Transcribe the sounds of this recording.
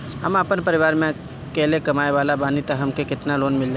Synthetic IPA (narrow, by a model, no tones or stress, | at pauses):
ɦəmapənpəɾɪʋaːɾmẽ | kɛːlekəmaːeʋaːlabaːnit̪əɦəmkekɪt̪naloːnmɪld͡ʒa